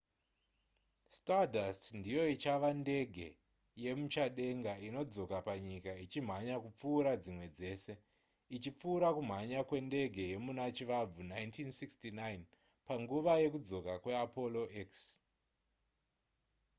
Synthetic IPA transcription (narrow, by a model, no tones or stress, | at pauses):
stadastndijo̞it͡ʃaʋande̞ɡʱe̞̰ | je̞mut͡ʃaɗe̞ŋɡaino̞d͡zo̞kapaɲikait͡ʃim̤aɲakup͡fuːɾad͡zimwe̞d͡ze̞ːse̞ | it͡ʃip͡fuːɾakum̤aɲakwe̞nde̞ɡʱe̞je̞munat͡ʃiʋab͡vunaintʰinsikstinajn | paŋɡuʋaje̞kud͡zo̞kakwe̞apo̞lo̞ʔeks